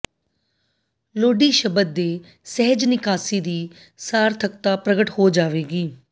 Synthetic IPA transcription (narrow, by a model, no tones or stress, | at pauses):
loːɖiːʃəbəd̪̚d̪eː | sɛɦəd͡ʒnɪkaːsiːd̪iː | saːɾt̪ʰək̚t̪aːpɾəɡəʈhoːd͡ʒaːʋeːɡiː